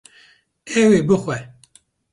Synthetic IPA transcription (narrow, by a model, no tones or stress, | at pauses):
ɛweːbɨxʷɛ